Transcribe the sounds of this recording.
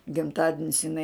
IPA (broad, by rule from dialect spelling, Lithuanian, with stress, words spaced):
ɡʲɪmˈtɑːdʲɪnʲɪs ɪˈnɐɪ